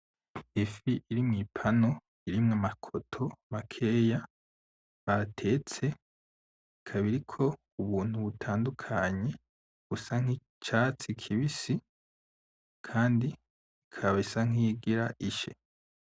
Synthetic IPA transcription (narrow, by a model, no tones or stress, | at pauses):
efiʔiɾimŋiːpʰano̞ | iɾimŋamakʰo̞tʰo̞makʰe̞ːja | βaɾatʰe̞ːt͡se̞ | ikʰaβiɾikʰo̞ | uβuːn̥huβutʰaːndukʰaɲe̞ | ɡusaŋ̥i | t͡ʃat͡sikʰiβisi | kʰaːndiː | kʰaβaisaŋ̥iːɡiɾaʔiʃḛ